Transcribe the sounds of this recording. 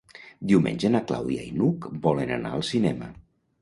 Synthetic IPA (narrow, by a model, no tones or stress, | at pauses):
d̪iwmḛnʲʒenakla̰wðiainukbɔlena̰na̰əlˠsinɛmə̰